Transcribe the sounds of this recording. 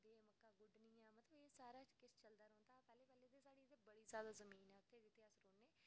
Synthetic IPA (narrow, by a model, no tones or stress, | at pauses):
d̪eːməkːaːɡʊɖniːãːmət̪ləbeːsaːɾaːt͡ʃkɪst͡ʃəld̪aːɾɔːnt̪aːpɛːleːpɛːleːd̪eːsaːɽiːt̪ebəɽiːzjaːd̪aːzəmiːnɛːʊt̪ʰːeːd̪ɪt̪ːeːasɾoːnːeː